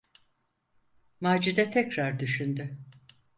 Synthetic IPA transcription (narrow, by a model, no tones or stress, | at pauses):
maːd͡ʒid̪ɛt̪ʰɛcɾaɾd̪yʃynd̪y